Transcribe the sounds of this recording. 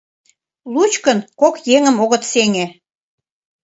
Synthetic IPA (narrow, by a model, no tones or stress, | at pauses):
lut͡ɕkənkokjeŋəmoɣə̆t̪seŋʲĕ